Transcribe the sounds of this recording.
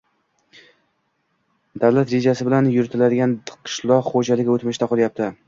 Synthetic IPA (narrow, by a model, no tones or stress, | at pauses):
d̪awlat̪ɾe̞d͡ʒasɪbɪlanjʊɾɪt̪ʰɪlad̪ɪɡʲanqʰɨ̥ʃlˠɒχod͡ʒalɪɡʲot̪mɪʃt̪aqʰɒlˠjap̚t̪ʰɪ